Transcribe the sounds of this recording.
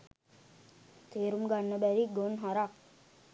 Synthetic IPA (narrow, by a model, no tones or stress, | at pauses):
t̪eːɾumɡanːəbæɾiɡonɦaɾak